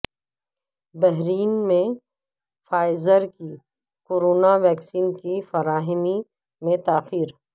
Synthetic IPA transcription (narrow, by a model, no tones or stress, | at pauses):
bɛɦɾiːnmẽ | faːɪzəɾki | koːɾoːnaʋɛːksiːnkifɐɾaːɦɪmi | mẽt̪aːxiːɾ